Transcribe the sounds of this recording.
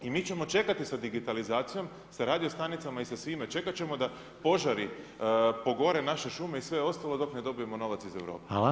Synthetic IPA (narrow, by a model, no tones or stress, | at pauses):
imiːt͡ɕe̞mo̞t͡ʃe̞kat̪isad̪iɡit̪alizaːt̪sijo̞m | saɾaːd̪io̞st̪anit̪samaisasʋimet͡ʃe̞kat͡ɕe̞mo̞d̪a | po̞ʒaɾi | po̞ɡo̞ɾe̞naʃe̞ʃume̞isʋe̞o̞st̪alˠo̞d̪o̞pned̪o̞bije̞mo̞no̞ʋat̪size̞ʋɾo̞̰ːpe